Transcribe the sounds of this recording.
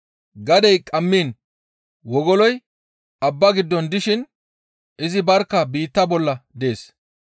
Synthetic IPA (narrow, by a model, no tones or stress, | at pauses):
ɡɐd̪ɛjkʼɐmːiːn | wɔɡɔlɔj | ɐbːɐɡɪd̪ːɔnd̪ɪʃɪn | ɪzɪbɐɾkːɐbiːt̪ːɐbɔlːɐd̪e̞ːs